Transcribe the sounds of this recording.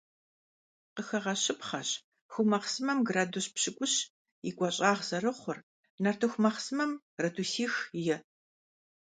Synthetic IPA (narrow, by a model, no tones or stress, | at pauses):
qəxɐʁɐɕɪpχɐɕ | xʷʊmɐχsɨmɐmɡraːdoɕpɕɪkʷʼʊɕ | ɪɡʷʼɐɕʼaːʁz̥ɐrɨχʷʊr | nɐrtʰɐxʷmɐχsɨmɐm | rɐtʰuːsiːxjɛ